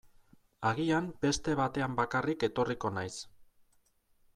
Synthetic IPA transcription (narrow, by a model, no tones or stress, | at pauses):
aɣiambe̞st̪e̞β̞at̪e̞ambakarike̞t̪o̞riko̞najs